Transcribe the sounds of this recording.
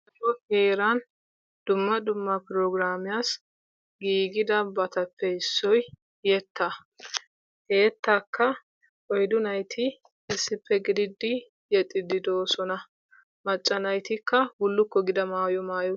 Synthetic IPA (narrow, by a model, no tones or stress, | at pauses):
ɐoheːɾan | d̪̥ʊmːɐd̪ʊmːɐpɾɔɡɾaːmɪjas | ɡiːɡɪd̪ɐbɐt̪ɐpːɛɪsːɔj | jɛt̪ːɐ | heːt̪ːɐkʰːɐ | kʼɔjd̪ʊnɐjt̪ʰɪ | ɛsːɪpːɛɡɪd̪ɪd̪ːɪ | jɛt̪ʼːɪd̪ɪd̪oːsɔnɐ | mɐt͡ʃʼːɐnɐjt̪ɪkːɐhʊlːʊkːɔɡɪd̪ɐmaːjɔmaːjɔ